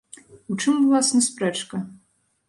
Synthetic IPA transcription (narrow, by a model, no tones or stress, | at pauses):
uʈ͡ʂʰɨmɨlˠasnɨsprɛʈ͡ʂʰkʼɐ